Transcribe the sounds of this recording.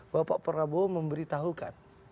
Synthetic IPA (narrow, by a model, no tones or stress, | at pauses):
bapaʔpəɾaboməmbəɾit̪aɦuka̰n